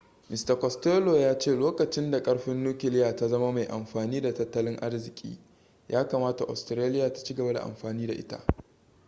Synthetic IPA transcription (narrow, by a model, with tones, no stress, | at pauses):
mɪ˨stɐ˨kɔ˨steː˦loː˨jaː˦t͡ʃeː˦˨loː˦kɐ˨t͡ʃɪ˦nda˨kʼɐ˦ɽɸɪ˦nːuː˦kʲɪ˨lɪ˦jaː˨ta˦zɐ˦ma˦ma˨jʔa˨mɸaː˨niː˦da˨tɐ˦tːɐ˦lɪ˦ŋʔa˦rzɪ˨kʲʼḭː˦ | jʔaː˦kaː˨maː˦ta˨ʔa̰˨stɾeː˦lɪ˦jaː˨tḁ˨t͡ʃi˦ɡɐ˨ba˦da̰˨ʔa̰˨mɸaː˨niː˦da˨ʔɪ̰˦ta̰˦ʔ